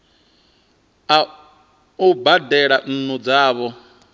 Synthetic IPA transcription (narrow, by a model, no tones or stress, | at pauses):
ubadɛɺan̩nɔd͡zaːβɔ